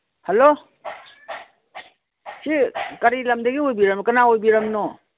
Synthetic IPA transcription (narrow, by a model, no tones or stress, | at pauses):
halo | sikaɾilamdaɡiojbiɾɐmkanaojbiɾɐmno